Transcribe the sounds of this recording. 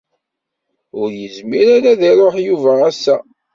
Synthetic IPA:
ʊɾjəzmiɾaɾaðiɾˤoħjuvææsːæ

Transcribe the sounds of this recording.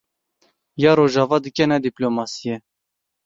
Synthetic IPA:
jɑːɾoʒɑːvɑːd̪ɨkɛnɛd̪iplomɑːsijɛ

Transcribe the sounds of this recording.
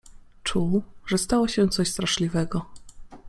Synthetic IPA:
t͡ʂuʐɛst̪awɔɕɛ̃t̪sɔɕst̪ɾaʂlʲivɛɡɔ

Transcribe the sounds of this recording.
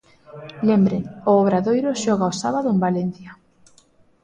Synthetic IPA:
lembɾeŋʊːβɾaðojɾʊʃɔɣaosaβaðʊembalen̟θja

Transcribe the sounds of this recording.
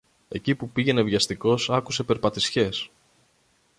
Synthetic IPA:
e̞cipupiʝe̞ne̞vʝɐst̪iko̞sɐkuse̞pe̞ɾpɐt̪isçe̞s

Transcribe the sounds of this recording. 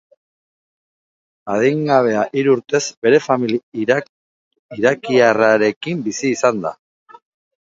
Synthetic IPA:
aðiŋɡaβ̞e̞aʔiɾuɾt̪e̞zbe̞ɾe̞famil | iɾakiaraɾe̞kimbisiːsand̪a̰

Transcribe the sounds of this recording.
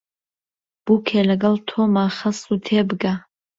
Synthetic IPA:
b̥ukʲʰelaɡəltʰomaχəsutʰebɡa

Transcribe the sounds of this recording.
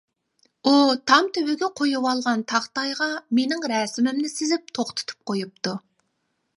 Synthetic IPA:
ut̪ʰɑmt̪ʰøwyɡʲɛqʰojuwɑlˠʁɑnt̪ʰɑχt̪ɑjʁɑmenɪŋɾɛːsɪmɪmnɪsɪzɪp̚t̪ʰoχt̪ʰɨ̥t̪ʰu̥p̚qʰojup̚t̪ʰu

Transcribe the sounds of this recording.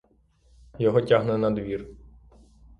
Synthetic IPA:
jɔɦɔtʲaɦnɛnɐd̪ʋʲir

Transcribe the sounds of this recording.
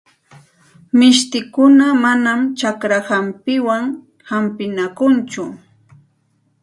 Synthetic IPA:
mɪʃt̪ɪkʊnamanamt͡ʃakɾahampɪwaŋ | hampɪnakʊnt͡ʃʊ

